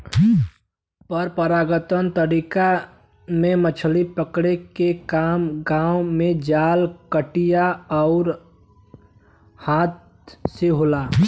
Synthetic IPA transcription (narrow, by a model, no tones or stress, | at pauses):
pəɾpəɾaːɡət̪ənt̪əɾiːka | mẽmət͡ʃʰlipəkɽekekaːmɡaːʊmẽd͡ʒaːlkəʈijaɔʊɾ | haːt̪̚ | seɦoːlaː